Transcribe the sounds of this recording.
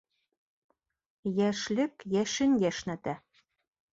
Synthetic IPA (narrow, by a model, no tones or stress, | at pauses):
jæʃlʲɘ̆kjæʃɘ̆nʲjæʃnæ̆t̪æ